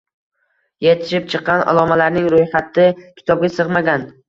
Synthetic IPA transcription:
je̞t̪ʰɪ̥ʃɪp̚t͡ʃʰɨqːɑna̰lˠɒmalaɾnɪŋɾojχat̪ʰːɪkʲʰɪ̥t̪ʰɒb̚ɡʲasɨʁmaɡʲan

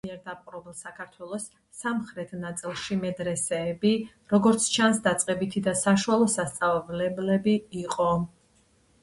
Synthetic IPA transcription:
miɛɾd̪ap̚ʼqʼɾɔbɛlˠsakʰaɾt̪ʰwɛlˠɔsː | amχɾɛt̪ʰnat̪sʼilˠʃimɛd̪ɾɛsɛːbi | ɾɔɡɔɾt̪sʰt͡ʃʰansd̪at̪sʼqʼɛbit̪ʰid̪asaʃualˠɔsast̪sʼavlɛblɛbiːqʼɔ

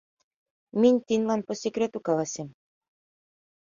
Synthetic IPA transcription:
mʲinʲt̪ʲinʲlˠɑnpɤ̆sʲekɾʲet̪ukɑlˠɑsʲem

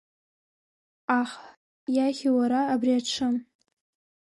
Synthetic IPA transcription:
aχ | jaχʲiwaɾaːbriaʈ͡ʂʰɨm

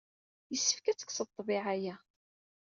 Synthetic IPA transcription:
jəsːəfkæt͡sːə̥ksəðt̪ˤːbɪʕajæ

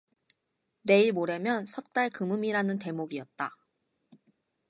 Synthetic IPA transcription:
ne̞iɭmoɾe̞mjʌnsʰʌt̚t͈aɭkɯmɯmiɾanɯnte̞moɡiʌt̚t͈a

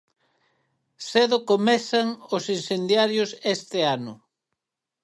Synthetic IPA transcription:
seðʊkomɛθɐŋosinsend̪jaɾjʊsest̪ɪanʊ

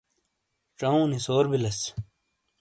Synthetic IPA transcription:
ʈ͡ʂɐũːnisoːɾbilɐs

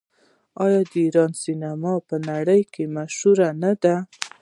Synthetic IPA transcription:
ɑjɑd̪əiɾɑnsinamɑpənaɽəjkemaʃhuɾanad̪a

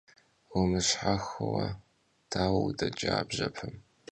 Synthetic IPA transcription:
wʊmɨɕħaxɨwɐ | tʰaːwɐwudɐd͡ʒʼaːbʑɐpʰɨm

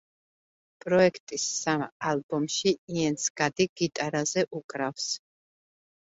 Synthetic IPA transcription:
pʼɾɔɛkʰt̪ʼisːamalˠbɔmʃiiɛnsɡ̥ad̪iɡ̥it̪ʼaɾazɛʔukʼɾafs

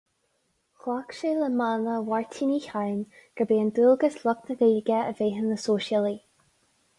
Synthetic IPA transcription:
xwakʃeləmanəwaɹtʰiniçajnɡ̥əbeːənd̪ulˠɡəslɔknəveːɡəəveːɦənəsoːʃjəli

